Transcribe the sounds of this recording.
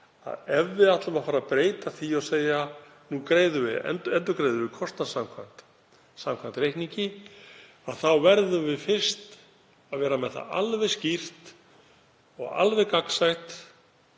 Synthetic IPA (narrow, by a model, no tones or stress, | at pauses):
a̰ðɛvːɪðat̪lavafaːɾapɾeːjt̪aθiawseːja | nukɾeːjðʏvɪ̰ɛ̰nt̪ɛnt̪ʏɾkɾejðʏvɪkʰɔst̪nasamkʰvan̥t̪ | samkʰvant̪ɾejhkniɲcɪ | aðθawvɛɾðʏvɪfɪr̥st̪ | aðvɛːɾamɛðθa̰ʔa̰lvɛscir̥t̪ | ɔ̰ɣa̰lvɛkaksajht̪